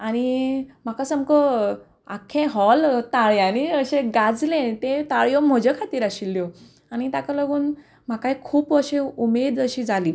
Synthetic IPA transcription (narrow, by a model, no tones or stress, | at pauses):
aɽ̃im̤akasəmkə | akʰːẽɦɔlt̪aɭjañiəɕeɡad͡zlẽt̪ẽt̪aɭjom̤əd͡ʑekʰat̪iːɾaɕilːjo | añit̪akaləɡuːn | m̤akajkʰuːpəɕẽumed̪əɕiːd͡zaliː